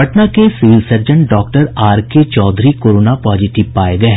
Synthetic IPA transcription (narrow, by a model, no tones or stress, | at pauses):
ɐʈnakesɪʋɪlsəɾd͡ʒə̃ɳʈɖɔːkʈəɾaːɾket͡ʃɔːd̪ʱɾikoːɾoːnapɔːd͡ʒɪʈɪʋpaːeɡɐeɦ